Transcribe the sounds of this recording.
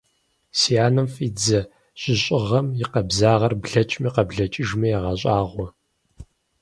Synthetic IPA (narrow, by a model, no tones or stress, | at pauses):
sijaːnɐmfʼiːd͡zɐ | ɕʼɪɕʼɪʁɐmjɪqɐbzaːʁɐrbɮɐt͡ʃʼmiqɐbɮɐt͡ʃʼɪʒmɐjɛʁɐɕʼaːʁʷɔ